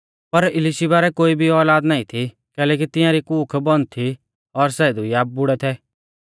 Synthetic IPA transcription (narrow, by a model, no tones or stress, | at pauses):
pɐɾɪlɪʃibaːɾɛkoːibʱiɔːlaːd̪naːĩt̪ʰi | kɛːlɛːk̬it̪ɪjãɾikuːkʰbɔnt̪ʰi | ɔɾsɛːd̪uiab̚bʊɽɛt̪ʰɛː